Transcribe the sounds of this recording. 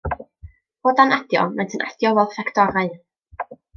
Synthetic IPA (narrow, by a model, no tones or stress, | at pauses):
boːdanad̥jɔ̰mantʰənʔa̰d̥jɔvɛlˠfɛkʰd̥ɔɾaɨ